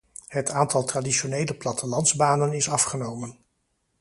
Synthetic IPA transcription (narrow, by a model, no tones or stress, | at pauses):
ɦətʰaːntɑlˠtraːdiʃonejləplɑtəlɑndzbaːnənɪsɑfχənowmən